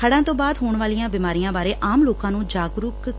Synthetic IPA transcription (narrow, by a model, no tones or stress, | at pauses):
kʰəɽãːt̪õːbaːd̪ɦoːɳʋaːlijãːbɪmaːɾijãːbaːɾeːʔaːmloːkãːnũːd͡ʒaːɡɾʊk